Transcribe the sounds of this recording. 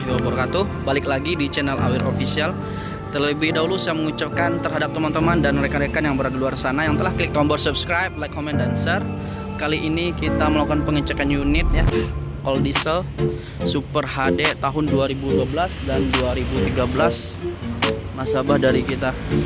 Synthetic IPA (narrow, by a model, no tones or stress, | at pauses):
iɔbɔrkat̪u | balɪklaɡidit͡ʃɛnɛlʔa̰wɪɾofisial | t̪ələbɪhdaɦulusjaməŋut͡ʃap̚kant̪ərɦadap̚t̪əmant̪əmandanmɾekaɾekanjaŋbəɾardiluarsanajaŋt̪əlahklɪk̚t̪ɔmbɔrsup̚skɾajp̚lajkʰːomɛndansər | kaliʔinikit̪aməlakanpəŋət͡ʃəkanjunɪt̪̚ja | kɔldisəl | supərɦadet̪aɦʊnduaɾibuduabəlasdanduaɾibut̪iɡabəlas | masabahdaɾikit̪a